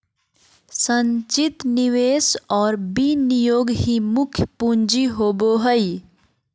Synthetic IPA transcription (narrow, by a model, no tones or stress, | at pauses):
səɲt͡ʃit̪niʋeːsɔːɾbinijoːɡɦimʊkʰjpuɲd͡ʒiɦoboɦəi